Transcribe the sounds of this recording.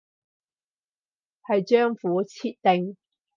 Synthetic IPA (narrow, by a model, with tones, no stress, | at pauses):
hɐ˨jt͡ʃœː˥ŋfuː˨˥t͡sʰiː˥t̚t̪ɪ˨ŋ